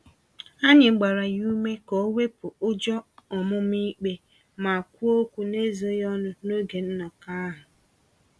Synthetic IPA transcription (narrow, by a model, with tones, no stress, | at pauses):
a˦ɲɪ˨ŋ͡m̩˦ɡ͡ba˨ɾa˨ju˦me˦ko˨˦we˦pʊ˨ʊ˦d͡ʒɔ˦ɔ˨mʊ˦mi˦k͡pe˦ | ma˨a˨kʷu˦o˦kʷu˦ne˦zi˨o˦jɔ˦nʊ˦no˦ɡe˨n̩˦nɔ˨ka˦ɦʊ˨